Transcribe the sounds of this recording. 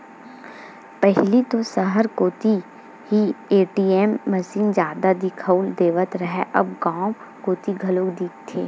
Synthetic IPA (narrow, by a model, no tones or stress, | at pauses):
pɛɦlit̪osəɦəɾkoːt̪i | ɦieːʈiːemːɐʃiːnzjaːd̪ad̪ɪkʰəʊld̪eːʋət̪ɾɐɦɛʔɐb̚ɡãː | koːt̪iɡʱɐloːɡd̪iːk̚ʰt̪ʰeː